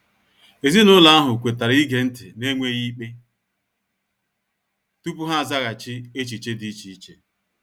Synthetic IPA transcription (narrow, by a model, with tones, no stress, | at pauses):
e˨zi˦nʊ˦la˦a˦ɦʊ˨kʷe˨ta˨ɾi˦ɡe˨n̩˦tɪ̰˨ne˦ŋʷe˦ɣi˦k͡pe˦ | tu˦pu˦ɦa˦a˨za˦ɣa˨t͡ʃɪ˦e˦t͡ʃi˨t͡ʃe˦di˦t͡ʃi˨i˦t͡ʃḛ˨